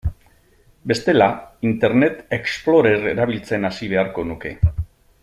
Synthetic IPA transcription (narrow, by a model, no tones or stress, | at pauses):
be̞st̪e̞laint̪e̞ɾne̞t̪e̞ksplo̞ɾe̞re̞ɾaβ̞ilt͡se̞nasiβ̞e̞aɾko̞nuke̞